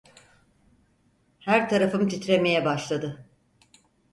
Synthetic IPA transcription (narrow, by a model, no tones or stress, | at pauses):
hæɾt̪ʰaɾafɯmt̪ʰit̪ʰɾe̞me̞jɛbaʃlˠad̪ɯ